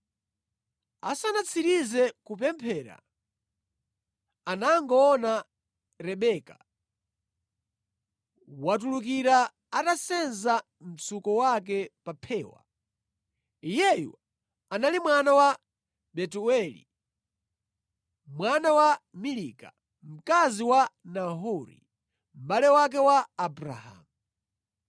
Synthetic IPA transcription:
a̰sanat͡sʰiɾizɛkupɛmpʰɛːɾa̰ | anaŋɡɔːna | ɾɛɓɛːka | wat̬uluk̬iɾa | atasɛnza | m̩t͡sʰukɔwak̬ɛpapʰɛːwa̰ | ijɛjṵ | analimwanawa | ɓɛtuɛlḭ | mwanawamiliːka̰ | m̩kaziwanaɦuɾḭ | m̩balɛwak̬ɛwaːbɾa̰ha̰ːmu

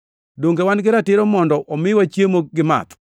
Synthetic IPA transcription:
doŋɡewanɡɪɾatɪɾomɔndɔʔomɪwat͡ʃjemoɡɪma̰t̪

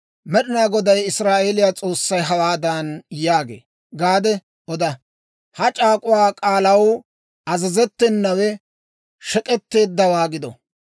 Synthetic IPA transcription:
mɛɗɪnaːɡɔd̪ɐjɪsɾaːʔelɪjaːt͡sʼo̞ːsːɐjɦɐwaːd̪ɐnjaːɡḛː | ɡaːd̪ɛ | ʔɔd̪ɐ | hɐt͡ʃʼaːkʼʊwaːkʼaːlɐw | ɐzɐzɛt̪ːɛnːɐwɛ | ʃɛkʼɛt̪ːe̞ːd̪ːɐwaːɡɪd̪ɔ̰

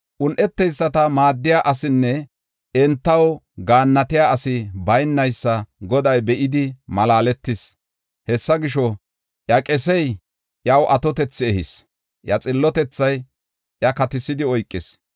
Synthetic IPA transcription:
ʔʊnʔɛt̪ːɛjsːɐt̪ɐmaːd̪ːɪjaʔɐsɪnːɛ | ɛnt̪ːɐw | ɡaːnːɐt̪ɪjaːɐsɪbɐjnːɐjsːɐɡɔd̪ɐjbɛʔɪd̪ɪmɐlaːlɛt̪ːɪs | hɛsːɐɡɪʃɔ | ʔjɐkʼɛsɛj | jɐwʔɐt̪ɔt̪ɛt͡sːɛhɪs | jɐt͡sʼɪlːɔt̪ɛt͡sːɐj | jɐkɐt̪ɪsɪd̪ɪɔjkʼːɪs

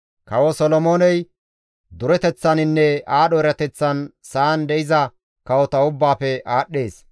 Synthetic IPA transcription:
kɐwɔsɔlɔmo̞ːnɛj | d̪ʊɾɛt̪ɛt͡sːɐnɪnːɛaːɗɔɪɾɐt̪ɛt͡sːɐn | saːnd̪ɛɪzɐ | kɐwɔt̪ɐʊbːaːpɛʔaːɗːe̞ːs

